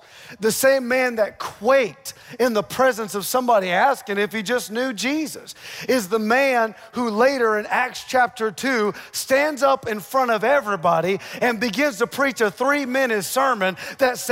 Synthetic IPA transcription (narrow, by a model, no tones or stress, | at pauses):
ðɨsẽɪ̃mːæ̃nðɨt̚kʰw̥eɪɾɨ̃nðəpʰɹ̥ɛzɨ̃nsʌv̥sʌ̃mbɑɾiæskɪ̃ŋɨfhid͡ʒʌsnjʉd͡ʒizɨsɪzðəmæ̃n | huleɪɾə˞ɨ̃nækst͡ʃʰæp̚tə˞tʰʉstæ̃ndzʌpɨ̃nfɹʌ̃ɾ̃ʌvɛvɹibɑɾiɨ̃nbɨɡɪ̃nz̥tɨpʰɹ̥it͡ʃɨθɹimɛ̃ñɨ̃z̥sɜ˞mɨ̃nðɨts